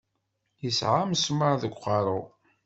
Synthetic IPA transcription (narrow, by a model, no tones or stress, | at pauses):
jəsʕamsməɾðəɡʷqɑɾˤʊ